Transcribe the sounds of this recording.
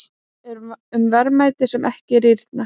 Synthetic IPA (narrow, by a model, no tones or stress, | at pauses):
ɛɾʏmvɛɾmaːjt̪ɪsɛmʔɛhcɪɾiɾt̪̚na